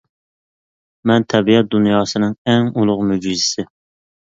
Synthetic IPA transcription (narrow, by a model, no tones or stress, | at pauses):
mɛnt̪ʰɛbijɛt̪̚d̪unjɑːsɨnɨŋɛŋulˠʊqmyd͡ʒizɪsɪ